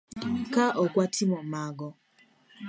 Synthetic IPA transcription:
kaʔɔkwatʰimɔmaɡɔ

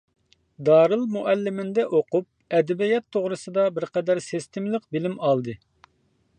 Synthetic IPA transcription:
d̪ɑːɾɨlˠmuʔælːɪmɪnd̪ɛʔoqup̚ɛd̪ɛbijɛt̪ʰːoʁɾɨsɨd̪ɑbɪɾqɛd̪æɾsɪst̪ɪmlˠəqbɪlɪmɑlˠd̪ɨ

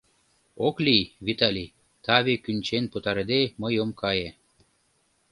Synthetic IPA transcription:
oklʲijβit̪ɑlʲi | t̪ɑβekynt͡ɕenput̪ɑɾed̪eməjomkɑje

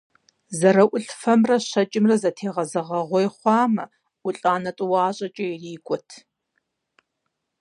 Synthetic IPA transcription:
zɐrɐʔʷʊɬfɐmrɐɕɐt͡ʃʼɪmrɐzɐtʰeːʁɐzɐʁɐʁʷɔjχʷɑːmɐ | ʊɬʼaːnɐtʼɨwɑːɕʼɐt͡ʃʼɐjɛriːkʷʼɔtʰ

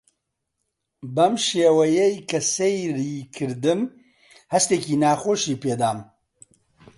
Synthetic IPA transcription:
bɐmʃeːwɐjɛjkʰɐsejriːkʰɨɾd̪ɨm | hɐst̪eːkiːnaːxoːʃiːpeːd̪aːm

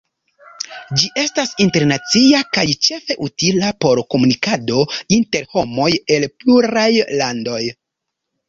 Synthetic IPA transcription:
d͡ʒiʔe̞stasinte̞ɾnat͡siakajt͡ʃe̞fe̞ʔutilapo̞ɾko̞munikado̞inte̞ɾho̞mo̞je̞lpluɾajlando̞j

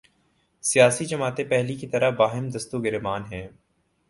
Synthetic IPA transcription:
sijaːsid͡ʒɐmaːt̪ẽpɛɦlikit̪ɐɾabaːɦɪmd̪ɐst̪uɡɪɾemaːnɦɛ̃ː

